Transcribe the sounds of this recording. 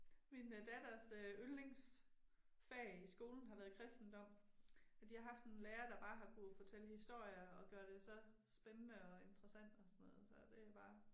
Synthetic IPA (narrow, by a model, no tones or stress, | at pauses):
mind̥æd̥ɐsøøleŋs | feɐisɡ̥o̝ːln̩ɦɑ̈ʋæːɐð̩ˠkʰʁɛsd̥n̩d̥ɒ̽m̰æd̥ihɑ̈ɦɑ̈fd̥e̝nleːɐd̥ɑ̈b̥ɑ̈ːɦɑ̈kʰufɒ̽t͡sʰel̰əhisd̥o̝ɐ̰jɐɒ̽ɡ̥ɶːɐɾ̥e̝sɒ̽ | sb̥enənəɒ̽e̝nd̥ʁɐsæn̰d̥ɒ̽sɔnɔ̽ːð̩ˠsɒ̽d̥e̝æb̥ɑ̈ː